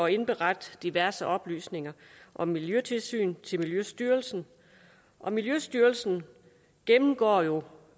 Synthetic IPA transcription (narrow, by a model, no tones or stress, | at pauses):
ɒe̝nb̥eʁad̥d̥iʋæɐsəʔɒ̽b̥ly̰ːsne̝ŋɐʔɒ̽miljøt͡sʰe̝lsy̰ːnt͡sʰe̝lmiljøsd̥yːɐlsn̩ | ʔɒ̽miljøsd̥yːɐlsn̩ | ɡ̥emm̩ɡ̥ɒ̰ːjo̝